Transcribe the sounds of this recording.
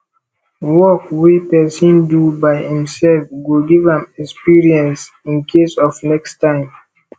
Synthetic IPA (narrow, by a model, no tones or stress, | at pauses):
wɔkwipɛsɔ̃ndubaɪhĩmsɛlfɡuɡivãmɛkspiɹiɛ̃ns | ĩnkʰesɔfnɛkstãɪ̃m